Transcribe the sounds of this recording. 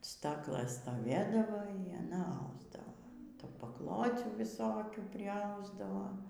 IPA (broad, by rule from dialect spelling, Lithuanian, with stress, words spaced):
ˈstɑːklˠɘs stoːˈʋʲeːdɐʋoː iː ɐˈnɐ ˈɐʊzdɐʋoː ˈtuː pɐˈklˠoːt͡sʲuː ʋʲɪˈsoːkʲuː pʲrʲɪˈɐʊzdɐʋoː